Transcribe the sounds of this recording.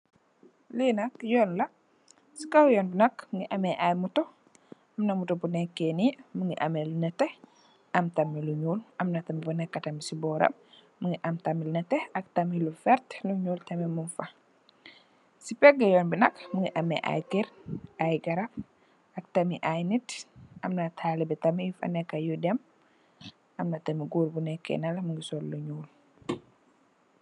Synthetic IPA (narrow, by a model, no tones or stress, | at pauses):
linɐkjɔːnlɐ | sikɐwjɔːnbinɐkmuŋɡiʔɐmɛʔajmutɔ | ʔɐmnɐmutɔbunɛkːenimuŋɡiʔɐmɛlunɐtɛ | ʔɐmtɐmːiluɲuːlʔɐmnɐtɐmibunɛkːɐtɐmisibɔːɾɐ̰m | muŋiʔɐmtɐmːilunɐtɛɐk̚tɐmilufɛɾtluɲuːltɐmimunfɐ | sipɛɡɐjɔnbinɐkmuɡiʔɐmɛ̰ʔa̰jtiɾajɡɐɾɐp̚ | ɐk̚tɐmiʔajnitʔɐmnɐtʰaːlibɛtɐmijufɐ̰nɛkːɐjudɛm | ʔɐmnɐtɐmiɡuɾbunɛkːɛ̰nɐlmuŋɡisɔlluɲuːl